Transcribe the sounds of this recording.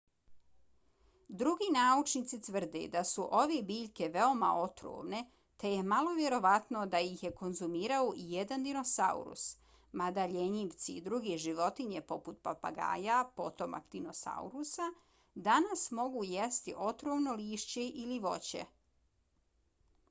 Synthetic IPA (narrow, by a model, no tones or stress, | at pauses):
d̪ɾuɡiːnaːut͡ʃnit̪sit̪ʋr̩d̪ḛd̪asuʔo̞ʋebiːʎʲke̞ʋe̞o̞ma̰ʔo̞t̪ɾo̰ʋne̞ | t̪e̞je̞malo̞ʋje̞ɾo̞ʋat̪no̞d̪ajixje̞ko̞nzumiːɾaoʔijed̪and̪ino̞sa̰ṵɾṵs | mad̪aʎeɲiʋt̪sḭd̪ɾuɡeʒiʋo̞t̪iɲe̞po̞put̪̚papa̰ɡa̰ːjapo̞t̪o̞ma̰kd̪ino̞sa̰ṵɾusa | d̪anasmo̞ɡujest̪iʔo̞t̪ɾoʋno̞liːʃt͡ɕe̞ʔiliʋo̞̰t͡ɕe̞̰